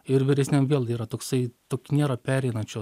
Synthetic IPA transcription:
ɪɾʋʲɪɾʲɛsʲnʲɛmʋʲeːlˠiːɾɐt̪oːksɐɪt̪oːkʲːnʲeːɾɐpʲæːɾʲɛɪnɐt͡ʃʲoː

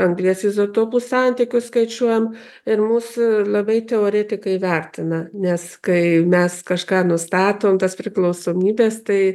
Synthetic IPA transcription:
ɐŋɡlʲiɛsʲɪsot̪oːbʊssɑnʲt̪ʲɪkʲʊsskɐɪt͡ʃʲuɔjɛm | ɪɾmuːslˠɐbɐɪt̪ʲɛoːɾʲet̪ʲɪkɐɪʋʲærʲt̪ʲɪnɐnʲɛskɐɪmʲɛskɐʃkɑːnʊst̪ɑːt̪oːmt̪ɐspʲɾʲɪklˠɐʊsoːmʲiːbʲeːst̪ɐɪ

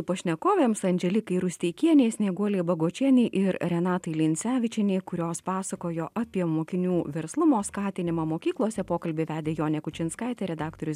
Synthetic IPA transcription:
ʊpɐʃʲnʲɛkoːʋʲeːmsɐnʲd͡ʒʲɛlʲɪkɐɪɾʊsʲt̪ʲɛːkʲiɛnʲeːsʲnʲeːɡuɔlʲeːbɐɡoːt͡ʃʲiɛnʲɛɪʔɪɾɾʲɛnɑːt̪ɐɪlʲɪnʲsʲæːʋʲɪt͡ʃʲɪnʲɛɪkʊɾʲoːspɑːsɐkoːjoːʔɑpʲiɛmoːkʲɪnʲuːʋʲɛɾslˠʊmoːskɑːt̪ʲɪnʲɪmɑːmoːkʲiːklˠuɔsʲɛpoːkɐlʲbʲɪʋʲæːd̪ʲeːjoːnʲɛkʊt͡ʃʲɪnskɐɪt̪ʲɛɾʲɛd̪ɑːkt̪oɾʲʊs

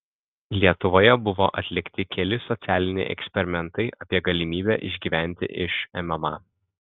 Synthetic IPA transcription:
lʲiɛt̪ʊʋoːjɛbʊʋo̰ːʔɐt̪ʲlʲɪkt̪ʲɪkʲɛlʲɪsɔt̪sʲæːlʲɪnʲɛ̰ɪʔɛ̰ksʲpʲɛɾʲɪmʲɛnt̪ɐɪʔɐpʲiɛɡɐlʲɪmʲiːbʲæːʔɪʒʲɡʲiːʋʲæˑnʲt̪ʲɪ̰ʔɪʃɛmʲɛmɑ̰ː

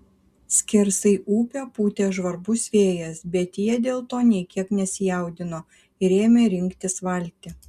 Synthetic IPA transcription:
sʲkʲɪɾsɐɪʔuːpʲoːpuːt̪ʲeːʒʋɐɾbʊsʲʋʲeːjɛsbʲɛt̪jiɛd̪ʲeːlˠt̪oːnʲɛɪkʲiɛknʲɛsʲɪjɛˑʊd̪ʲɪnoː | ɪɾʲeːmʲeːɾʲɪŋʲkt̪ʲɪsʋɐlʲt̪ʲɪ

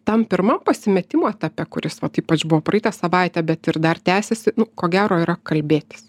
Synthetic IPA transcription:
t̪ɐmpʲɪɾmɐmpɐsʲɪmʲɛt̪ʲɪmoːɛt̪ʲɑpʲɛkʊɾʲɪsʋɐt̪iːpɐt͡ʃbʊʋoːpɾɐiːt̪ɑsɐʋɑɪt̪ʲæbʲɛt̪ɪrd̪ɐrt̪ʲæːsʲɛsʲɪnʊkoːɡʲæːɾoːiːɾɐkɐlʲbʲeːt̪ʲɪ̥s

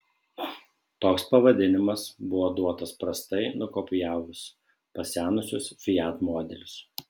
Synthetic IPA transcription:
t̪oːkspɐʋɐd̪ʲɪnʲɪmɐsbʊʋoːd̪uɔt̪ɐspɾɐst̪ɐɪnʊkoːpʲɪjæːʋʊs | pɐsʲæːnʊsʲʊsfʲɪjæːt̪moɔd̪ʲɛlʲʊs

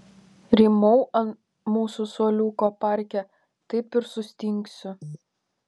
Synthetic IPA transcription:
ɾʲiːmɔʊʔɐn | muːsʊsoɔlʲuːkoːpɑˑɾʲkʲɛ | t̪ɐɪpɪɾsʊsʲt̪ʲɪŋʲkʲsʲʊ

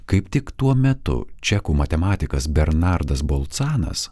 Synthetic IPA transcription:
kɐɪpt̪ʲɪkt̪uɔmʲɛt̪ʊ̰t͡ʃʲɛkuːmɐt̪ʲɛmɑːt̪ʲɪkɐsbʲɛɾnɑˑɾd̪ɐsbolˠt̪sɑːnɐ̰s

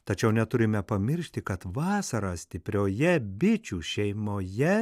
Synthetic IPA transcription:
t̪ɐt͡ʃʲɛʊnʲɛt̪ʊɾʲɪmʲɛpɐmʲɪɾʲʃʲt̪ʲɪkɐt̪ʋɑːsɐɾɑsʲt̪ʲɪpʲɾʲoːjɛbʲɪt͡ʃʲuːʃʲɛɪmoːjɛ

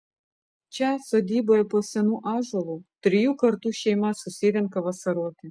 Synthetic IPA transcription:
t͡ʃʲɑsɔd̪ʲiːbɔjɛpɔsʲɛnuʔɑʒɔlˠut̪ʲɾʲɪjukɐɾt̪uʃʲɛjmɑsʊsʲed̪ʲɛnkɐʋɐsɐɾot̪ʲɪ

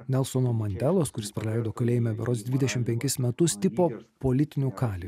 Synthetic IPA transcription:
nʲɛlˠsoːnoːmɐnʲd̪ʲɛlˠoːskʊɾʲɪspɾɐlʲɛɪd̪oːkɐlʲeːjɪmʲɛʋʲɛɾoːsd̪ʲʋʲɪd̪ʲɛʃʲɪmpʲɛŋʲkʲɪsmʲɛt̪ʊst̪ʲɪpoːpoːlʲɪt̪ʲɪnʲuːkɑːlʲi

